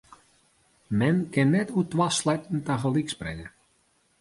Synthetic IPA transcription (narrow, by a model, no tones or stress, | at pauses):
mɛnkɪnːɛtutwaslɛjtn̩taxəliksprɪ̰ŋə